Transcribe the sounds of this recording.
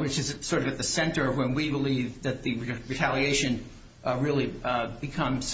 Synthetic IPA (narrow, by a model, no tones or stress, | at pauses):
wɨt͡ʃɨzsɔɹɾʌvɨt̪̚ðɨsɛ̃ntə˞wə̃nwibəlivðɨt̪̚ðɨɹɨtʰælˠieɪʃɨ̃n | ɹɪlˠibɨkʰʌ̃mz̥